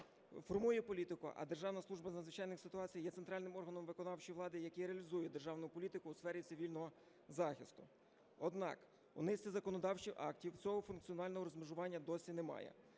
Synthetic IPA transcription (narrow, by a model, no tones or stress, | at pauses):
fɔrmujɛpɔlʲit̪ɪkʊ̰ʔɐ̰d̪erʒɑwnɐslˠuʒbɐzɐd̪zʋɪt͡ʃɑjnɪxsɪ̥t̪ʊɑt͡sʲijjɛt̪ent̪ɾɑlʲnɪmɔrɦɐnɔmʋɪkɔnɑwt͡ʃijʋlˠɑd̪ɪjɐkɛjɾeɐlʲizujɛd̪eʒɑwnʊpɔlʲit̪ɪkʊːsfɛɾʲit̪sɪʋʲilʲnɔɦɔ | zɑxʲɪst̪ʊ | ɔd̪nɑ̰k | ṵnɪsʲtʲizɐkɔnɔd̪ɑwt͡ʃiwʔɑ̰ktʲiwt͡sʲɔɦɔfʊnkt͡s̪ʲiɔnɑlʲnɔɦɔɾɔzmɪʒʊʋɑnʲːɐd̪ɔsʲinemɑ̰jɛ̰